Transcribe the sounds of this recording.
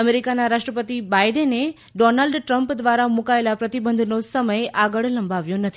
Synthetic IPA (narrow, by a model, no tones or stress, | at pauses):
əmeɾikanaɾaʃʈɾəpət̪ibajɖənːe | ɖɔnalɖʈɾəmpd̪ʋaɾamũkaelapɾət̪ibənd̪ʱnosəməjʔaɡəɭləmbaʋjõnət̪ʰi